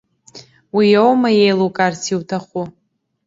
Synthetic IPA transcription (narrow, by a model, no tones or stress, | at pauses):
wijowmajejlukʼarsʰiwtʰaχʷu